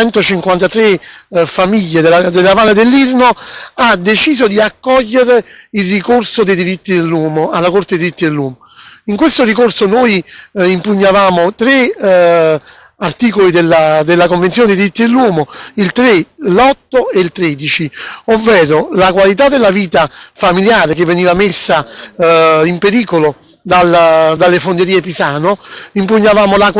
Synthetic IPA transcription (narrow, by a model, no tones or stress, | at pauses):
ɛnt̪ot͡ʃiŋkwant̪at̪ɾefamiʎːed̪elad̪elːavaːled̪elːirnoad̪ːet͡ʃiːzod̪iakːɔʎːeɾeilrikorsod̪ejd̪iɾit̪ːid̪elːɔːmoalːakort̪ed̪iɾit̪ːid̪elːwɔːmo | iŋkwest̪orikorsonojimpuɲːavaːmot̪ɾe | art̪iːkolid̪elːad̪elːakoɱvent̪sjoːned̪iɾit̪ːid̪elːwɔːmoilt̪ɾelɔt̪ːoeilt̪ɾed̪it͡ʃiovːɛːɾolakwalit̪̬ad̪ːelːaviːt̪afamiljaːɾek̟evːeniːvamesːa | impeɾiːkolo | d̪ald̪alːefond̪eɾiːepisaːnoimpuɲːavaːmola